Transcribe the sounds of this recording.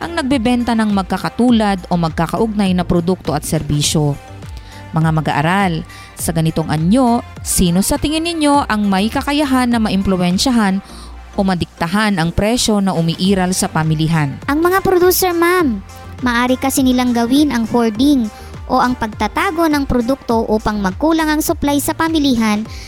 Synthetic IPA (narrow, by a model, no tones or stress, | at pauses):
ʔɐŋnɐɡ̚bɛbɛnt̪ɐnɐŋmɐɡ̚kakɐt̪uːlɐd̪o̞mɐɡ̚kakɐʔʊɡ̚najnɐpɾod̪uk̚t̪o̞ʔɐt̪̚sɛɾbiːʃo̞ | mɐŋamɐɡa̰ʔɐ̰ɾal | sɐɡɐnɪt̪o̞ŋʔɐɲo̞siːno̞sɐt̪ɪŋɪnːɪɲjo̞ʔɐŋmɐjkɐkɐjɐɦanːɐmɐʔɪmplʊwɛnʃɐɦan | ʔomɐd̪ɪk̚t̪ɐɦanɐŋpɾɛʃo̞nɐʔʊmiʔiːɾɐlsɐpɐmɪliɦanʔɐŋmɐŋapɾod̪uːsɛɹmamː | ɐʔaːɾɪkɐsɪnɪlaŋɡɐwɪnɐŋhoɹd̪ɪŋ | ʔo̞ʔɐŋpɐɡ̚t̪ɐt̪aːɡo̞nɐŋpɾod̪uk̚t̪o̞ʔuːpɐŋmɐɡ̚kuːlɐŋɐŋsʊplajsɐpɐmɪliɦan